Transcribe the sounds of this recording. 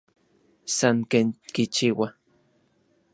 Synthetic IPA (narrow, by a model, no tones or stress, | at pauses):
saŋkeŋkit͡ʃiwa